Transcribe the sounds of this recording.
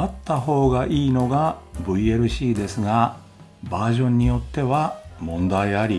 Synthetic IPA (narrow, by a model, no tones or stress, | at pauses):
at̪ːaɦo̞ːɡaʔiːno̞ɡabɯ̟ie̞ɾɯ̟ɕiːd̪e̞sɨɡa | baːʑõ̞ɲ̟ːijo̞t̪ːe̞βamõ̞nd̪aiaɾʲi